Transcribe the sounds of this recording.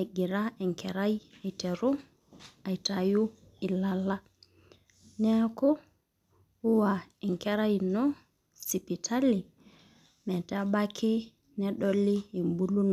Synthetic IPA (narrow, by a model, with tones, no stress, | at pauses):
a˨ɡi˨ɾaɛ˨ŋkɛɾaje˨tɛɾu˦ | a˨jtaju˦ | i˨lala˦ | nɛ˦kɔ˦ | u˦waɛ˨ŋkɛɾajnɔ | si˨pitʰa˦li˨ | mɛ˨tɛ˦abakʰe˦ | nɛɗoliː˦˨mbu˦lu˦nɔ˨